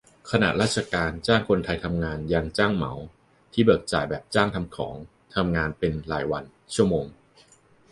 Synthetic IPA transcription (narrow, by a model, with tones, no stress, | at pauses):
kʰa˧na̰˨˩ʔɾaː˥˩t̪̚t͡ɕʰa˧kaː˧nt͡ɕaː˥˩ŋkʰo˧nt̪ʰa˧jt̪ʰa˧mŋaː˧njaː˧ŋt͡ɕaː˥˩ŋma̰˩˦w | t̪ʰiː˥˩bɯː˨˩k̚t͡ɕa̰ː˨˩jbɛː˨˩p̚t͡ɕaː˥˩ŋt̪ʰa˧mkʰɔ̰ː˩˦ŋ | t̪ʰa˧mŋaː˧npe˧nla̰ː˩˦jwa˧n | t͡ɕʰu˥˩ɐmoː˧ŋ